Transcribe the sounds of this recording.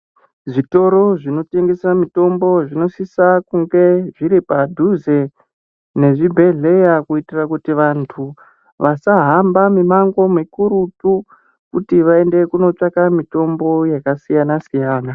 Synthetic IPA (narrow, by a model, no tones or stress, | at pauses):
ʐito̞ɾo̞ʐino̞te̞ŋɡe̞samito̞mbo̞ʐino̞sisakuŋɡe̞ʐiɾipadʱuze | ne̞ʐibʱe̞ɮe̞jakuitirakutiʋantʰu | ʋasaɦambamimaŋɡo̞mikuɾutu | kutiʋae̞nde̞kuno̞t͡ʂakamito̞mbo̞jakasijanasijaːna